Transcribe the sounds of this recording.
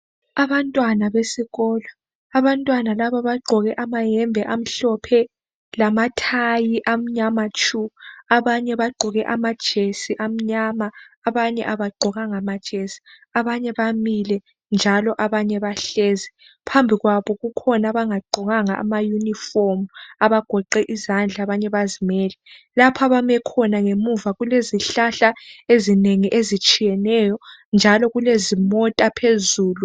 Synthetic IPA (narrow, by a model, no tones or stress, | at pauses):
aβantʼwanaβesiɣɔːlɔ | aβantʼwanalaβaβaɡ͡ǃʱɔɣɛʔamajɛmbʱɛʔam̩ɬɔpʰɛ | lamatʰajiʔam̩ɲamat͡ʃʼuaβaɲɛβaɡ͡ǃʱɔɣɛʔamad̥ʒ̥ʱesiʔam̩ɲamaːβaɲɛ̰ʔaβaɡ͡ǃʱɔɣaŋamad̥ʒ̥ʱesi̥ | aβaɲɛβamilɛ | nd͡ʒʱalɔʔaβaɲɛβaɬɛzɛ | pʰambʱiɣwaβɔɣukʰɔnaβaŋaɡ͡ǃʱɔɣaŋaʔːmajunifɔmuaβaɡ̥ʱɔǃɛʔizand͡ɮʱaβaɲɛβazimɛːlɛlapʰaβamɛkʰɔnaŋemuvaɣuleziɬaɬaezineŋiʔezit͡ʃʼijɛnɛjɔnd͡ʒʱalɔɣulezimɔtʼapʰezuːlu